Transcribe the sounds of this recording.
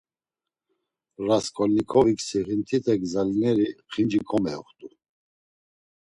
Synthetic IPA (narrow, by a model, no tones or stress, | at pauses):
raskʰʼɔlnikʰɔviksiʁint̪ʰit̪ʰɛɡzalinɛɾiχind͡ʒikʰɔmɛɔχt̪ʼu